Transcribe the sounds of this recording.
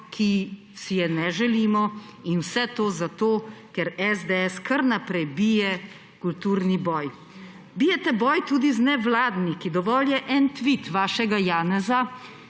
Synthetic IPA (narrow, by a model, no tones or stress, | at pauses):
kʰi | sijɛnɛʒɛliːmɔinwsɛt̪oːzat̪oːkɛɾɛzd̪ɛɛskɐɾnapɾɛjbijɛ | kult̪uːɾnibɔːj | biːjɛt̪ɛbɔːjt̪uːd̪iznɛʋlaːd̪nikid̪ɔʋɔːljɛʔɛnt̪ʋit̪ʋaːʃɛɡajaːnɛza